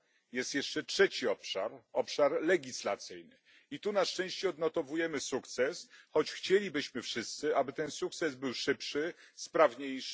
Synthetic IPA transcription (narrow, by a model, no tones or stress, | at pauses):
jɛst̪jɛʂt͡ʂɛtʂɛt͡ɕiɔpʂa̰ɾɔpʂaɾlɛɡʲislat̪sɘjnɘ | it̪unaʂt͡ʂɛ̃w̃ɕt͡ɕɛɔd̪nɔt̪ɔvujɛmɘsukt̪sɛsxɔt͡ɕxt͡ɕelʲibɘɕmɘfʂɘst̪sɘabɘt̪ɛnsuk̚t̪sɛzbɘwʂɘpʂɘspɾavɲejʂ